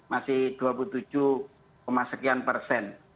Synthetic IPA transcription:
masɪhd̪̥uap̬ult̪u̥d͡ʒuh | pəmasəkianpərsɛn

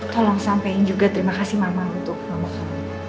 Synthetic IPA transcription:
t̪ɔlɔŋsampajŋd͡ʒuɡat̪əɾimakasimamaŋunt̪ʊk̚mamukama

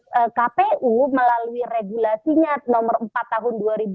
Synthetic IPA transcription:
ʔəkapeuməlaluireɡulasiɲanɔmərəmpat̪ːaɦʊnduaɾib

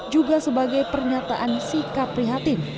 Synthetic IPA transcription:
d͡ʒuɡasəbaɡajpərɲat̪aʔansikapɾiɦat̪ɪn

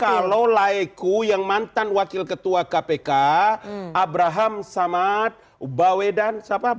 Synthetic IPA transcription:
kalolaɛkujaŋmant̪anwakɪlkət̪uakapeka | abɾaɦamsamat̪̚ | bawɛdansapa

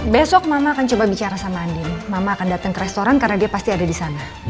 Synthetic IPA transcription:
besɔk̚mamaːkant͡ʃobabit͡ʃaɾasamaaːndɪnmamaːkandat̪aŋkəɾɛst̪oɾankarnadiapast̪iadadisana

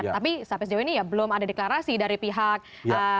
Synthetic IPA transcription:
t̪apisapɪsd͡ʒawinijabəlʊmadadeklaɾasidaɾipiɦak̚ | ə

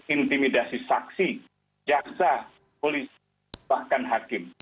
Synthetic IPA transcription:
int̪imidasisaksi | d͡ʒaksa | polisi | bahkanɦakɪm

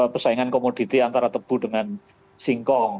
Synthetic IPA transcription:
pəsaiŋankomod̥i̤t̪iant̪aɾat̪əb̥ṳɖəŋan | siŋkɔŋ

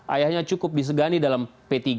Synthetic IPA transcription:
ʔajahɲat͡ʃukʊp̚dis̬əɡanidalampet̪iɡ

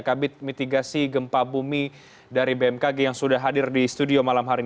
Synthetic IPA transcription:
kabɪt̪̚mit̪iɡasiɡəmpabumi | daɾibeɛmkaɡejaŋsudahɦadɪrdist̪udiomalamɦaɾi

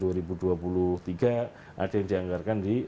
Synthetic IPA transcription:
uaɾibuduapuluht̪iɡa | ʔa̰dajaŋdiaŋɡarkandi

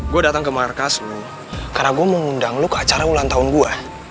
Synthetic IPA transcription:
ɡuadat̪aŋkəmarkaslo | karnaɡuaməŋundaŋlokəat͡ʃaɾaulant̪aʊnɡua

